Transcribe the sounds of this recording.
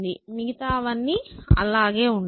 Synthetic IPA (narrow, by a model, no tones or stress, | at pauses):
d̪imiɡit̪aːʋɐnːiɐ̰laːɡe̞ːuɳ